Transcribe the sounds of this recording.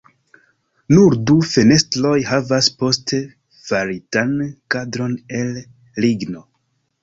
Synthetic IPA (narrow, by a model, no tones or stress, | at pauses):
nuɾdufe̞ne̞stlo̞jhavaspo̞ste | faɾitankadɾo̞ne̞l | liɡno̞